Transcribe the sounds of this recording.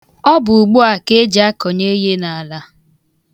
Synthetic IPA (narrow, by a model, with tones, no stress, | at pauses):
ɔ˦bʊ˨ʊ˨ɡ͡bu˦a˨ke˦d͡ʒa˦kɔ˨ɲe˦je˦na˨a˨la˦